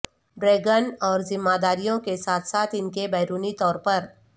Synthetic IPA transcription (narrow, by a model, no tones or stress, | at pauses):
ɖɾeːɡənɔːɾzɪmːaːd̪aːɾijõkesaːt̪ʰsaːt̪ʰɪnkebɛːɾuːnit̪ɔːɾpɐɾ